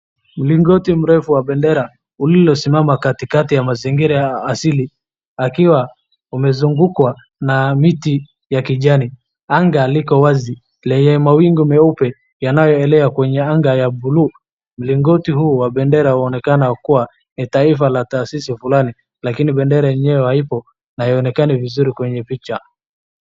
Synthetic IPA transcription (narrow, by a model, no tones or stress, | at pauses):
m̩liŋɡɔtim̩ɾɛfuwaɓɛndɛɾa | ulilɔsimamakatikatijamaziŋɡiɾajaːsili | akiwa | umɛzuŋɡukwa | namiti | jakiʄani | aŋɡaːlikɔwazi | lɛɲɛmawiŋɡiumɛupɛ | janajɔɛlɛakwɛɲɛaŋɡajabuluː | m̩liŋɡɔtihuːwaɓɛndɛɾahuɔnɛkanakuwa | nitaifalataːsisifulani | lakiniɓɛndɛɾajɛɲɛwɛhaipɔ | naiɔnɛkanivizuɾikwɛɲɛpit͡ʃa